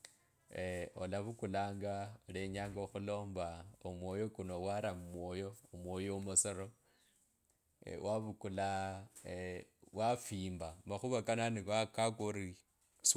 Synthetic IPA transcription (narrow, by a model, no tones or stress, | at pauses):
olaβukulaːŋɡaoleɲaːŋɡoxulo̞ːmbaomwo̞jo̞kuno̞waɾamumwojo̞ːmwoːjomosoɾo | wʔaβukula | wʔafiːmbamaxuβakananiwakakoɾi | s